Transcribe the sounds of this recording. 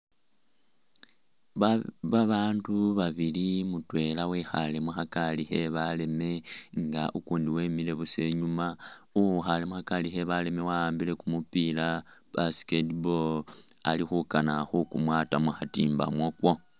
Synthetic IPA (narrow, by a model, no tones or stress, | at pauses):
βaβaːnduβaβilimutwe̞lawiːxale̞muxakalixe̞βale̞me̞ŋɡaʔukuːndiwe̞mile̞βuse̞ɲumauxalemuxakalixe̞βale̞me̞waaːmbile̞kumupilab̥asketbola̰lixukanaxukumwaːtamuxatiːmba̰mwokwo̞